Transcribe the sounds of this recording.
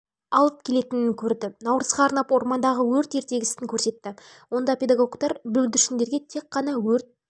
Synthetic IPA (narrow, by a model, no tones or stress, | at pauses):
ɑlˠəp̚kʲʰe̞le̞t̪ɪnɪŋkʲʰɵɾd̪ɪnɑwɾəzʁɑːɾnɑpwo̞ɾmɑnd̪ɑʁəwɵɾt̪e̞ɾt̪e̞ɡʲɪsɪŋkʲʰɵɾse̞t̪ːɪ | wo̞nd̪ɑpʲe̞d̪ɑɡo̞kt̪ɑɾbɵld̪ʏʃɪnd̪e̞ɾɡʲe̞t̪ʰe̞qːɑnɑwɵɾt̪̚